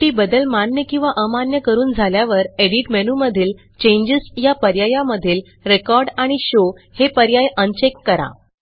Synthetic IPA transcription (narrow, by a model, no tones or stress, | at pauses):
iːbəd̪əlmanjəkĩw̃ʋaʔəmanjəkəɾuːnd͡zʱaljaʋəɾeɽiʈmenuməd̪ʱiːl | t͡ɕeɲd͡ʑəsjapəɾjajãməd̪ʱiːl | ɾekɔɾɖaɽ̃iɕo | hepəɾjajənt͡ɕekːəɾa̰